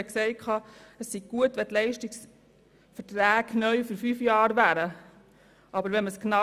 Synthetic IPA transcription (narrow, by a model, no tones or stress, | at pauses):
əksɛɪkʰɑːəsːiɡ̚ɡ̥uətʋɛtlɛɪʃtiks | fəɾtɾæːɡnœʏfyɾfyfjɑːɾʋæːɾə | ʔɑbəɾʋɛməsknɑ